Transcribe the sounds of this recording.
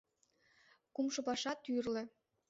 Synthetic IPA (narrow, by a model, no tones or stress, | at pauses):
kumʃɤ̆pɑʃɑt̪yrlĕ